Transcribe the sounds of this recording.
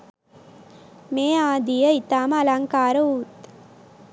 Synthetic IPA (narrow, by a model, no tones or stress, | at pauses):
meːaːd̪ijɐit̪aːmɐlaŋkaːɾɐuːt̪